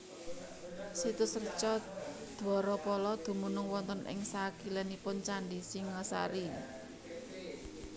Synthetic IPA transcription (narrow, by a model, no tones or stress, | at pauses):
sit̪ʊsərt͡ʃɔ | d̪̥ɔɾɔpɔlɔd̪̥ṳmunʊŋwɔnt̪ɔnʔɪ̰ŋsaɡ̥i̤lɛnipʊnt͡ʃaɳɖisiŋəsa̰ɾi